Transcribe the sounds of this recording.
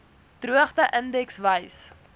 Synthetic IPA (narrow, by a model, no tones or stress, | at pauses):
truəχtəʔəndɛksvəjs